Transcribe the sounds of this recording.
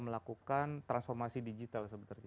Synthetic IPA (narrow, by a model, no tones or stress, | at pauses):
məlakukant̪ɾansfɔrmasidid͡ʒit̪alsəbət̪ərɲ